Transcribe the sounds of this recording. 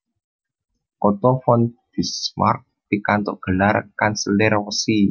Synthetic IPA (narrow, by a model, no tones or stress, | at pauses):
kɔt̪ɔfɔnd̪̥isma̰rk̚pikant̪ɔ̰ʔɡ̥ə̤larkansilɛɾwsi